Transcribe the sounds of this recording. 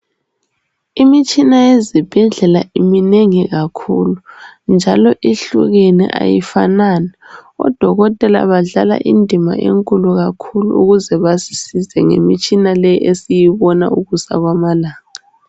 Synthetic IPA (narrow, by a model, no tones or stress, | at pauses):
imit͡ʃʼinajezib̥ʱɛɮɛlaʔimineŋiɣakʰuːlund͡ʒʱalɔʔeɬṵɣenḭʔa̰jḭfananɛɔ̰d̥ʱɔɣɔtʼɛla̰βaɮala̰ʔindʱima̰ʔḛŋkʼuluɣakʰulṵuɣuzɛβasi̥sizɛŋḛmit͡ʃʼinalɛjʔesijiβɔna̰uɣusa̰ɣwamalaːŋa